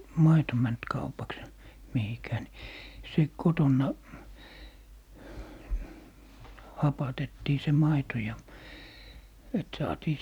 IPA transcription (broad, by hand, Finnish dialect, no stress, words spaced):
mɑito mænt kɑupɑks mihikæː ni se kotonːɑ hɑpɑtetːiː se mɑito jɑ et sɑːtiː